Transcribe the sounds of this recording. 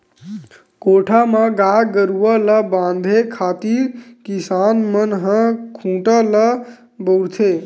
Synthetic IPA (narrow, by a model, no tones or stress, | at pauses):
koʈʰamaɡaɡəɾuʋələbãnd̪ʱekʰat̪iɾkisanmənɦə̃kʰũːʈələ | bəwɽt̪ʰe